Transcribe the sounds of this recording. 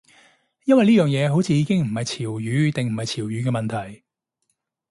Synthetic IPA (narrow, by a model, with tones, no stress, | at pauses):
jɐ˥nwɐ˨jliː˥jœː˨ŋjɛː˨˧ɦo˨˥wt͡sʰiː˨˧jiː˨˧kɪ˥ŋm̩˨˩hɐ˨jt͡sʰiː˨˩wjyː˨˥t̪ɪ˨ŋm̩˨˩hɐ˨jt͡sʰiː˨˩wjyː˨˧kɛː˧mɐ˨nt̪ʰɐ˨˩j